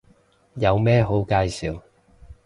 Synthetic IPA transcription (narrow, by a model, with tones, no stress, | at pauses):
jɐ˨˧wmɛː˥ɦo˨˥wkaː˧jsiː˨˧w